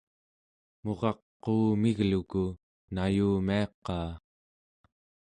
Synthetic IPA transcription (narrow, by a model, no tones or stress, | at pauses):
mo̞ʁɑqːuːmiɣluku | najuːmiɑqːɑː